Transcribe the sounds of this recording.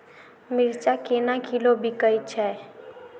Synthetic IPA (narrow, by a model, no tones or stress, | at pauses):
mɪɾt͡ʃakenakʰilobʱikəjt͡ʃʰɛ